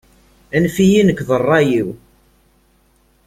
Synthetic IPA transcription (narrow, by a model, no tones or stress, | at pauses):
ænfijinəkːðˤərˤːɑjiw